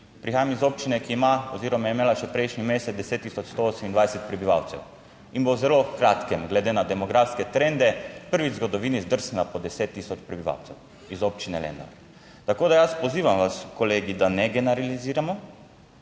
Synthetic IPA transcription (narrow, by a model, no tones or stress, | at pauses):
pɾixaːjamizoːp̚t͡ʃinɛkiːmaɔziːɾɔmajɛimeːlaʃɛpɾɛjʃnimeːsɛd̪ɛseːt̪ːisɔt͡ʃst̪ooːsɛmind̪ʋajsɛt̪̚pɾɛbiʋa̰wt̪sɛ̰w | inbowzɛlokɾat̪kɛmɡlɛd̪eːnad̪ɛmɔɡɾafskɛt̪ɾend̪ɛpəɾʋizɡɔd̪ɔʋiːnizd̪əɾsnapɔd̪ɛset̪ːiːsɔt͡ʃpɾɛbiʋa̰wt̪sɛw | izoːp̚t͡ʃinɛlɛ̰nd̪a̰ | t̪akoːd̪ajaspɔziːʋamʋaskɔleːɡid̪anɛɡɛnɛɾaliziːɾamɔ